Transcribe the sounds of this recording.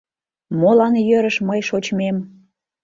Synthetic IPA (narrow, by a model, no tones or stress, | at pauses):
molɑnjøɾəʃməjʃot͡ɕmem